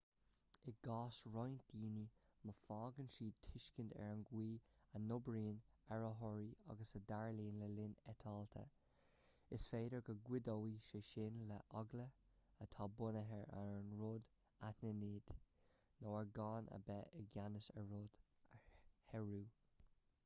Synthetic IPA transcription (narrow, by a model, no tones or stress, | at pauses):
ɪɡ̥ɑːsɹɔjnd̥iːniməfɑːɡənʃiːtʰɪʃkəndɛ̰ɹənɡwiːənʊbɹiːnɛɹəɦɔɹiɑ̰ɡəsədaɹliːnləlɪnɛt̪ʰɑːlt̪ʰə̰ | ɪsfeːdəɹɡəɡwɪd̪ɔwiʃeʃɪnləʔɔɡləət̪ʰɑːbʊnəɦɛɹɛ̰ɹnɹod | atnəniːd̪̥ | noːəɹɡɑːnə̰bɛʔəɡanəsə̰ɹod̪̥ | hɛɹuː